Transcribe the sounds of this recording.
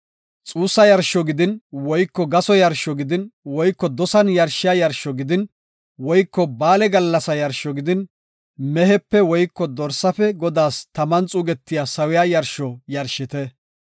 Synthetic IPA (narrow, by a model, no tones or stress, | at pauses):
t͡sʼuːsːɐjɐɾʃɔɡɪd̪ɪnwɔjkːɔɡɐsɔjɐɾʃɔɡɪd̪ɪnwɔjkːɔd̪ɔsɐnjɐɾʃɪjajɐɾʃɔɡɪd̪ɪn | wɔjkːɔbaːlɛɡɐlːɐsɐjɐɾʃɔɡɪd̪ɪn | mɛɦɛpːɛwɔjkːɔd̪ɔɾsːɐfɛɡɔd̪aːst̪ɐmɐnt͡sʼuːɡɛt̪ːɪjasɐwɪjajɐɾʃɔjɐɾʃɪt̪ɛ